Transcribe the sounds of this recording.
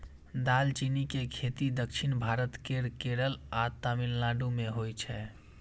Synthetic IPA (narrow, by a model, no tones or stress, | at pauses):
d̪alt͡ʃinikekʰet̪id̪əkt͡ʃʰinbʱaɾət̪keɾkeɾəlat̪amillaɖumeɦojt͡ʃʰɛ